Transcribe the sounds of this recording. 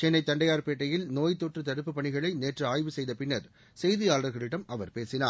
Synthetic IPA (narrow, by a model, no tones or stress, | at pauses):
t͡ʃɛnːɐɪt̪ːɐɳɖɐjaːɾpeːʈːɐjɪlnoːjt̪ːoːʈrɯt̪ɐɽɯpːɯpːɐɳɪɣɐɭɐɪneːʈrɯaːjʋɯsɛjðɐpɪnːɐɾ | sɛjðɪjaːlɐɾɣɐɭɪɽɐmɐʋɐɾpeːsɪna̰ː